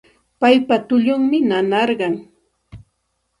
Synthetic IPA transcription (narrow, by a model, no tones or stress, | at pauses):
pajpat̪ʊʎʊŋmɪnanɑɾɢɑŋ